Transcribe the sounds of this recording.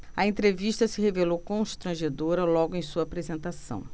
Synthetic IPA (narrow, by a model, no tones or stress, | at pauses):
ɐẽnt̪ɾeviʃt̪ɐsɪɦevelowkõʃt̪ɾɐ̃ʒed̪oɾɐlɔɡʊẽj̃suɐapɾezẽnt̪asɐ̰̃w̃